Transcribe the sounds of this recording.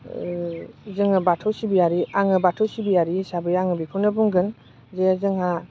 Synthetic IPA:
zɯŋɯbatʰɔwsibiaɾiaŋɯbatʰɔwsibiaɾisabɯjaŋɯbikʰunɯbuŋɡɯn | zeazɯŋha

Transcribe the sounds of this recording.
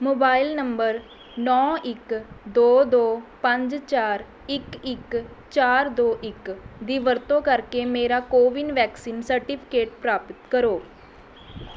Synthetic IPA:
moːbaːɪlnəmbəɾ | nɔːɪkd̪oːd̪oːpəɲd͡ʒt͡ʃaːɾ | ɪkɪk | t͡ʃaːɾd̪oːʔɪkd̪iːʋəɾt̪õːkəɾkeːmeːɾaːkoːʋɪnʋɛːksiːnsəɾʈɪpʰɪ̥keːʈ̚pɾaːpət̪kəɾoː

